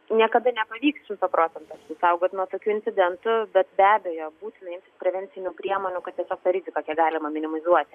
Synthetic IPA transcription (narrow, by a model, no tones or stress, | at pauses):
nʲiɛkɐd̪ɐnʲɛpɐʋʲiːksʃɪmt̪opɾoːsʲɛnt̪oɐst̪ʲɪsɐʊɡoːt̪nuɔt̪oːkʲuːɪnʲtsʲɪd̪ʲɛnt̪ʊbʲɛt̪bʲæːbʲɛjoːbuːt̪ʲɪnɐɪmʲt̪ʲɪ̥spʲɾʲɛʋʲɛnʲt͡s̪ʲɪnʲuːpʲɾʲiɛmoɔːnʲʊkɐt̪̚t̪ʲiɛsʲoːkt̪ɐɾʲɪzʲɪkokʲɛkɡɑːlʲɪmɐmʲɪnʲɪmɐlʲɪzuɔt̪ʲɪ